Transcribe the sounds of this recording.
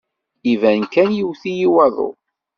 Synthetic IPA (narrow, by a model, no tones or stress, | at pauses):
ivænkænjiwθijiwɑðˤo̰